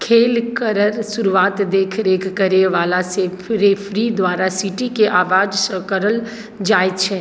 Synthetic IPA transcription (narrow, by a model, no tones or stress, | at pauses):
kʰeːlkəɾəɾsʊɾuʋaːt̪d̪eːkʰɾeːkʰkəɾeʋaːlase | ɾepʰɾid̪ʋaːɾasiʈikeʔaːʋaːd͡ʒsəkəɾəl | d͡ʒaːet͡ʃʰɛ